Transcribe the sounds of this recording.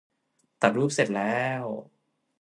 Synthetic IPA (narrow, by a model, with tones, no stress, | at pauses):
t̪a˨˩ɾuː˥˩p̚se˨˩t̪̚lɛː˦˥w